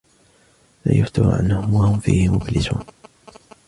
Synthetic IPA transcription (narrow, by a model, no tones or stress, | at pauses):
laːjʊft̪ʊɾ̰ʕa̰nːahʊmwahʊmfiːhɪmʊblɪzuːn